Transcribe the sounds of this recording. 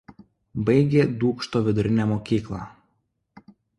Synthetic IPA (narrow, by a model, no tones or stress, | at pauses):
bɐɪɡʲeːd̪uːkʃt̪oːʋʲɪd̪ʊɾʲɪnʲɛːmoːkʲiːklˠɑˑ